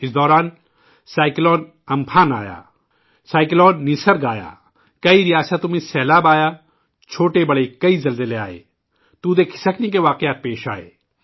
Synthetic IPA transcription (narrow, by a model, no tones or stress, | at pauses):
ɪsd̪ɔːɾaːn | saːɪklɔːn | ɐmpʰaːnaːja̰ː | saːɪklɔːnːisəɾɡaːja̰ː | kɐiɾɪjaːsət̪ːʊmẽsɛːlaːbaːjaː | t͡ʃʰoːʈebɐɽekɐizɐlzelea̰ːḛː | t̪uːd̪eːkʰɪ̥səknik̬eʋaːqɪjaːt̪̚peːʃa̰ːḛː